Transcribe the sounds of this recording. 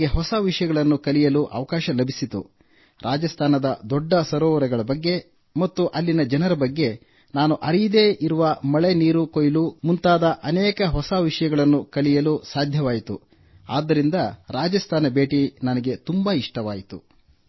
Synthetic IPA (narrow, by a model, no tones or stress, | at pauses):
ɡeɦɔsɐʋiʂɐjɐɡɐɭɐnːukɐlijɐluːʔɐ̰ʋɐkaːʃɐlɐbʱisit̪ṵ | ɾʔaːd͡ʒɐst̪ʰaːnɐd̪ɐd̪ɔɖːɐsɐɾɔːʋɐɾɛɡɐɭɐbɐɡːe̞ | mɐt̪ːuʔɐlːinɐd͡ʒɐnɐɾɐbɐɡːe̞ | naːnuʔɐɾijid̪e̞ːʔiɾuʋɐmɐɭeniːɾukojlumunt̪aːd̪ɐʔɐnɛːkɐɦɔsaʋiʂɐjɐɡɐɭɐnːukɐlijɐluːsaːd̪ʱjɐʋaːjit̪ṵ | a̰ːd̪ːɐɾind̪ɐɾaːd͡ʒɐst̪ʰaːnɐbe̞ːʈinɐnɐɡe̞t̪umbaːiʂʈɐʋaːjit̪ṵ